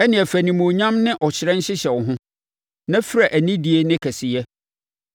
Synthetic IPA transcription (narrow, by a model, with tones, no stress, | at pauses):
ɛ˦nɪ̃˨ɛ˨fæ˨nĩ˨mũ˨ɲã˦mnɪ̃˦ʔɔ˨ɕɪ˨ɾɛ̃˦ɲ̩˦ɕɪ˦ɕɛ˨ɔ˨ɦʊ̃˦ | nã˦fɪ˦ɾa˨ʔæ˨nĩ˦di˦e˦nɪ̃˦kʰɛ˨sɪ˨jɛ˦